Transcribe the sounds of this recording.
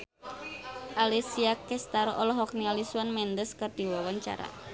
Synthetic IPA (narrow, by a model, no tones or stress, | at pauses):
ʔalisiakɛst̪aɾɔlɔɦɔk̚nialisuwanmɛnd̪əskərd̪̥i̤wawaɲt͡ʃa̰ɾa̰